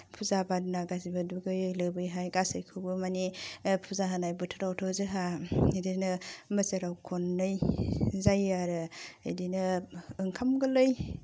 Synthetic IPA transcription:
pʰuzabadunaɡazibaduɡɯlɯbɯjɦajɡasejkʰɯwbɯmanipʰuzaɦanajbutʰɯɾawtʰozɯɦadinɐmɐsɐɾawkʰonːɯjzajaɾɯːjdinɐɯŋkʰamɡɐlɯj

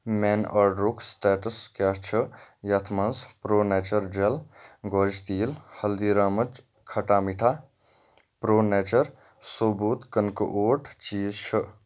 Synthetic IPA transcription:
menɐɾɖɾukʰsʈeːʈəskast͡ʃʰəjɐt̪ʰmɐnspɾoːnet͡ʃəɾd͡ʒelɡɔd͡ʒʱt̪iːlhɐld̪iɾamət͡ʃ | kʰɐʈamiʈʰa | pɾoːnet͡ʃəɾ | sobuːt̪kənkə̰ʔoːʈʰt͡ʃiːzt͡ʃʰə

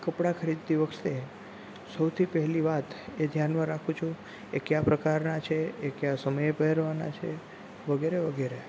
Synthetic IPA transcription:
kəpɽakʰəɾid̪̚t̪iʋəkʰt̪e | səwt̪ʰipɛɦɛliʋat̪ed̪ʱjanmãɾakʰũt͡ʃʰũ | ekjapɾəkaɾnat͡ʃʰeekjasəməjpəɦeɾʋana̰t͡ʃʰe | ʋəɡeɾeʋəɡeɾe

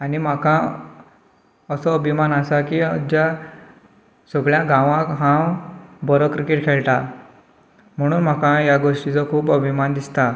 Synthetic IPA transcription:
anim̤akã | əsɔːbʱimanasakiəd͡ʑa | sɔɡɭjãɡãʋãkɦãwbɔɾɔkɾikeʈkʰeɭʈa | m̤əɽ̃uːnm̤akãjaɡoʂʈit͡sɔkʰuːpəbʱimand̪ist̪a

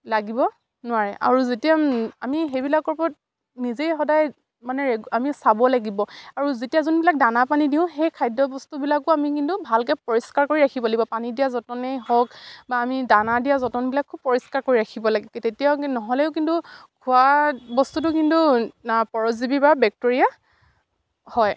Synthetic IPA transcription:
laɡibɔ | nʊwaɹɛʔa̰ɹuzetijaamiɦejbilakɔɹpɔt̚ | nizejxɔdaj | manɛɹɛamisabɔlaɡibɔaɹuzetijazɔnbilak̚danapanidiʊ̃ɦejkʰajdɔbɔstubilakʊamikintubʱalkɛpɔɹiskaɹkoɹiɹakʰibalibɔpanidijazɔtɔnejɦɔkbaːmidanadijazɔtɔnbilakʰːubpːɔɹiskaɹkoɹiɹakʰibɔlaɡɛketetijanɔɦɔlɛʊk̬intukʰuabɔstutʊkintuapɔɹɔzibibabɛk̚toɹija | hɔj

